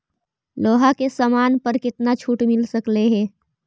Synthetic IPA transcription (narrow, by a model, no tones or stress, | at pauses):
loːɦakesamaːnpəɾkɪt̪nat͡ʃʰuːʈmɪlsəkleɦɛ̃ː